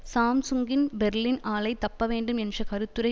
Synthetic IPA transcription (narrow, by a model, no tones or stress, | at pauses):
saːmsʊŋɡɪnbɛɾlɪnʔaːlɐɪt̪ːɐpːɐʋeːɳɖɯmɛndrɐkɐɾɯt̪ːɯɾɐɪ